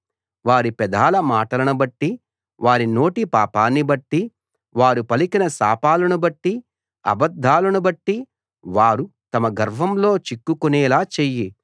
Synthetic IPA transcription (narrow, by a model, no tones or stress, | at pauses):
ʋaːɾipɛd̪aːlɐmaːʈɐlɐnubɐʈːi | ʋaːɾino̞ːʈipaːpaːnːibɐʈːi | ʋaːɾupɐlikinɐsaːpaːlɐnubɐʈːi | ɐ̰bɐd̪ʱːaːlɐnubɐʈːi | ʋaːɾut̪ɐmɐɡɐɾʋɐmlo̞ːt͡ʃikːukuneːlaːt͡ʃeːji